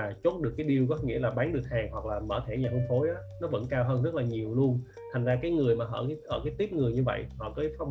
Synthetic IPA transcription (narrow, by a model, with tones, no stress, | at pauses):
aː˨˩t͡ɕo˦˥t̚ɗɨ˨˩əkːaː˨˦jɗi˧əwkɔ˨˦ŋḭ˧˥laː˨˩ɓaː˨˦nɗɨ˨˩k̚haː˨˩ŋhwa˨˩k̚laː˨˩mə̰ː˧˩t̪ʰɛ˧˩ɲaː˨˩u˧ŋ͡mfʰo˨˦jʔaː˨˦nɔ˨˦və̰˧˥nkaː˧wɦəː˧nzə˦˥t̚laː˨˩ɲi˨˩əwlu˧ən | t̪ʰa˨˩ŋzaː˧kaː˨˦jŋɨ˨˩əjmaː˨˩ʔə̰ː˧˩˨ʔəː˧˩kaː˨˦jt̪i˦˥p̚ŋɨ˨˩əjɲɨ˧və̰˧˨jhɔ̰˧˨kɔː˨˦fɔ˨˦